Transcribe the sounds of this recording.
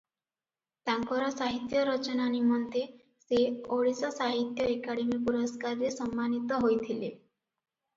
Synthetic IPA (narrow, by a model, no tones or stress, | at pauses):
t̪aŋkɔɾɔsaɦit̪jɔɾɔt͡ʃɔnanimɔnt̪e | seoɽisɔsaɦit̪jɔekaɽemipuɾɔskaɾɾesɔmːanit̪ɔɦojt̪ʰile